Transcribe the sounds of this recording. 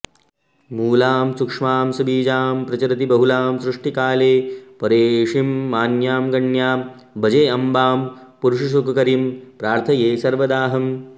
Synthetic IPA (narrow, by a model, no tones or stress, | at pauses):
muːlaːmsukʂmaːmsɐbiːd͡ʒaːmpɾɐt͡ʃɐɾɐt̪ibɐɦulaːmsɾuʂʈikaːleːpɐɾeːʂimːaːnjaːmɡɐɳjaːm | bɐd͡ʒeːɐmbaːm | puɾuʂus̬ukɐkɐɾimpɾaːɾt̪ʰɐjeːsɐɾʋɐd̪aːɦɐm